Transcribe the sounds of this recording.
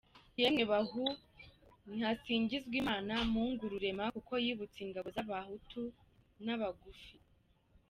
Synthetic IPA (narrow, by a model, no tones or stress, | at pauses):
jemŋeβahu | n̥hasiːɲɟizɡwiːmaːnamuŋɡuɾuɾe̞makuko̞jiːβut͡siŋɡaβo̞zaβahutu | naβaɡufi